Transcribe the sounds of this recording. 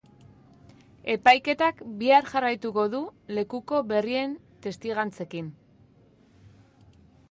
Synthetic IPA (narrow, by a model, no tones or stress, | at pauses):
e̞pajke̞t̪akbiaɾʝarajt̪uko̞ðule̞kuko̞βe̞rie̞n | t̪e̞st̪iɣant͡se̞kin